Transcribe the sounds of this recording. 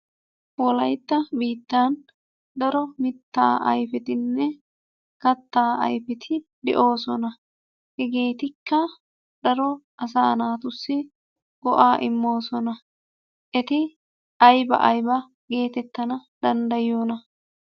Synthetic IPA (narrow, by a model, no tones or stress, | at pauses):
wɔlɐjt̪ːɐbiːt̪ːaːn | d̪ɐɾɔmɪt̪ːa̰ːʔɐ̰jfɛt̪ɪnːɛ | kɐt̪ːaːɐ̰jfɛt̪ʰɪd̪ɛ̰ʔo̞ːsɔnɐ | hɛɡe̞ːt̪ɪkːɐ | d̪̥ɐɾɔʔɐs̬aːnaːt̪ʊsːɪ | ɡ̥ɔʔaːʔɪ̰mːo̞ːsɔnɐ | ʔɛt̪ɪ | ʔɐjbɐ̰ʔɐjbɐ | ɡe̞ːt̪ɛt̪ːɐnɐd̪̥ɐnd̪ɐjoːnɐ